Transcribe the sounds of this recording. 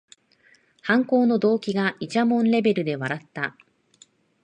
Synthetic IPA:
hãŋko̞ːno̞d̪o̞ːkʲiɡaʔit͡ɕamõ̞nɾe̞be̞ɾɯ̟d̪e̞βaɾat̪ːa

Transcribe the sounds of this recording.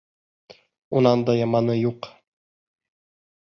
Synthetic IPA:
unɑnd̪ɑjɑmɑnɤjuq

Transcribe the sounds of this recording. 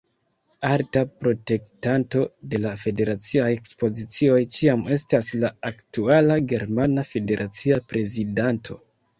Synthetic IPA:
altapɾo̞te̞k̚tanto̞de̞lafe̞de̞ɾat͡siajekspo̞zit͡sio̞jt͡ʃiame̞staslaːktualaɡe̞ɾmanafe̞de̞ɾʔat͡siapɾe̞zidantʰo̞̰

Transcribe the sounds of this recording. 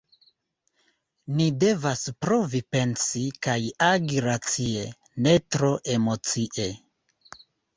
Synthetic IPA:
nide̞vaspɾo̞vipe̞nsikajaɡiɾat͡sie | ne̞tɾo̞ʔe̞mo̞t͡siʔe̞

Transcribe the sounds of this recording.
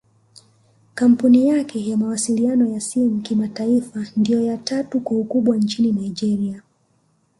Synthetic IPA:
kam̩punijakʰɛjamawasilianɔjasimukimataifandijɔjatatukwaukuɓwant͡ʃininaid͡ʒɛɾia

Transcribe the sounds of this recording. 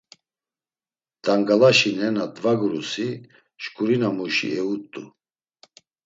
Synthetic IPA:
d̪̥aŋɡalaʃinɛnad̪vaɡɾusi | ʃkʰʼuɾinamuʃḭɛut̪ʼːṵ

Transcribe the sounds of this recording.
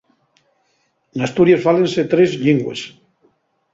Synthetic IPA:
nast̪uɾjaezβalenset̪ɾezʎiŋɡwḛs

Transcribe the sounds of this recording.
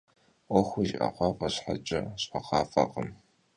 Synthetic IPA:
ʔʷɔxʷʊʒʔa̰qʷɑːfʼɐɕħat͡ʃʼɐɕħɐqɑːfɐqʼəm

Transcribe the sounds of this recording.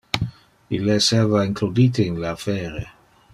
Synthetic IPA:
ilːesɛvaiŋklud̪it̪einlaafɛːɾe

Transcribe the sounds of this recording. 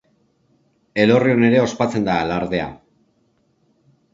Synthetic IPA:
e̞lo̞rio̞ne̞ɾe̞o̞spat͡se̞nd̪alaɾðe̞a̰

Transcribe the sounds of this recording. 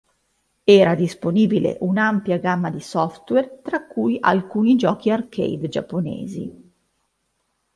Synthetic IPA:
ɛːɾad̪isponiːbilḛʔunampjaɡamːad̪isɔft̪wɛrt̪ɾakːujʔa̰lkuːnid͡ʒɔːk̟iarkʰḛjd̪d͡ʒa̰pːonḛːzḭ

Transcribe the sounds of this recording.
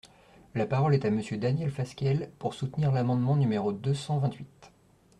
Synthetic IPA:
lapaʁɔlɛt̪aməsjød̪anjɛlfaskʲɛlpuʁsut̪niʁlamɑ̃d̪mɑ̃nymeʁod̪øsɑ̃vɛ̃t̪ɥit̪

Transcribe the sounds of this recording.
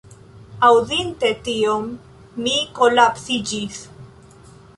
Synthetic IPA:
awðinte̞t̪iomː | iko̞lapsid͡ʒis

